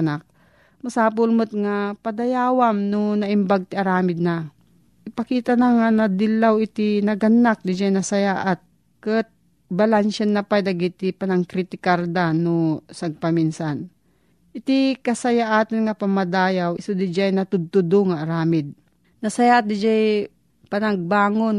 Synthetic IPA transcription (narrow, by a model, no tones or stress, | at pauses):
nak̚ | masaːp̬ʊlmʊt̪̚ŋapɐd̪ɐjaːwamnonɐʔɪmbaɡ̚t̪ɪʔɐɾaːmɪd̪̚na | ʔɪpɐkiːt̪anaŋanɐd̪ɪlːawɪt̪ɪnɐɡɐnːak̚d̪ɪd͡ʒajnɐsɐjaːʔat̪̚ | kɨt̪̚ | bɐlanʃanːɐpajd̪aɡɪt̪ɪpɐnaŋkɾit̪ɪkaɾd̪anosaɡ̚paminsan | ʔɪt̪ikɐsɐjaʔaːt̪ɐnŋapɐmɐd̪aːjawɪsod̪ɪd͡ʒajnɐt̪ʊd̪̚t̪ʊd̪oŋaʔːɾaːmɪd̪̚ | nɐsɐjaːʔat̪̚d̪ɪd͡ʒaj | pɐnaɡ̚baːŋon